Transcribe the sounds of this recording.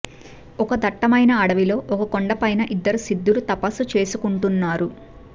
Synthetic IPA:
ɔkɐd̪ɐʈːɐmɐjnɐɐɽɐʋilo̞ːʔɔkɐkoɳɖɐpɐjnɐʔid̪ːɐɾusid̪ːulut̪ɐpɐsːut͡ʃe̞ːsukuɳʈunːaːɾu

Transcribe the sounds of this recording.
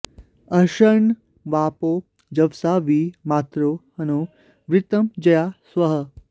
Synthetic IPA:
ɐʃɐɳ | ʋaːpoː | d͡ʒɐʋsaʋiːmaːt̪ɾoːhɐnoː | ʋɾɪt̪ɐmd͡ʒɐjaːsʋɐɦə

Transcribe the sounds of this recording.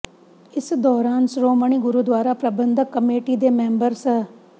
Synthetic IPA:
ɪsd̪ɔːɾaːnsɾoːməɳ̃iːɡʊɾuːd̪waːɾaːpɾəbənd̪əkːəmeːʈiːd̪eːmɛ̃ːmbəɾs

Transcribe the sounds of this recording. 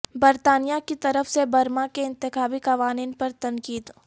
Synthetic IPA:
bɐɾt̪aːnijakit̪ɐɾəfsebɐɾmakeɪ̃nt̪ɪxaːbikɐʋaːniːnpɐɾt̪ɐnkiːd̪

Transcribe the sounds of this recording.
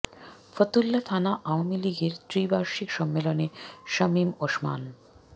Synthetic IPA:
fət̪ulːat̪ʰanaʔaoamiliɡeɾt̪ɾibaɾʃikʃɔmːeloneʃɐmimoʃma̰n

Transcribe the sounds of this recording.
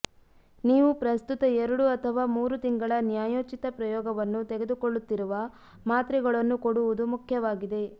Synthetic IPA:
niːʋupɾɐst̪ut̪ɐɛɾuɽuɐt̪ʰɐʋaːmuːɾut̪iŋɡɐɭɐnjaːjoːt͡ʃit̪ɐpɾɐjɔːɡɐʋɐnːut̪eɡe̞d̪ukoɭːut̪ːiɾuʋɐ | maːt̪ɾiɡɐɭɐnːukoɽuʋud̪umukʰjɐʋaːɡid̪e̞

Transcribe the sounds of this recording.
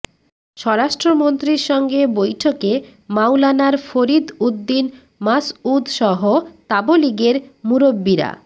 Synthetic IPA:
ʃɔɾaʃʈɾomont̪ɾiɾʃɔŋɡebojʈʰokemawlanaɾfoɾid̪ud̪ːin | masud̪ʃɔɦot̪aboliɡeɾmuɾobːiɾa̰

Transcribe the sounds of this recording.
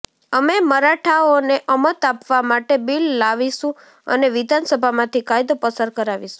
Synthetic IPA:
əmeməɾaʈʰaoneʔəmət̪apʋamaʈebilːaʋiʃũ | ə̰neʋid̪ʱansəbʱamãt̪ʰikajd̪opəsəɾkəɾaʋiʃũ

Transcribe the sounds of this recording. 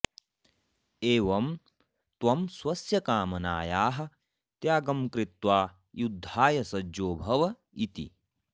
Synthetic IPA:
eːʋɐm | t̪wɐmswɐsjɐkaːmɐnaːjaːɦɐ̆ | t̪jaːɡɐmkɾit̪waː | jud̪ʱːaːjɐsɐd͡ʒoːbʱɐʋɐ | it̪ḭ

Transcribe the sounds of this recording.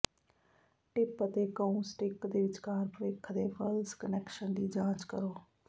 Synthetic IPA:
ʈɪpət̪eːkəũːsʈɪkd̪eːʋɪt͡ʃkaːɾpəɾeːkʰd̪eːpʰəlskənɛːkʃənd̪iːd͡ʒãːt͡ʃkəɾoː

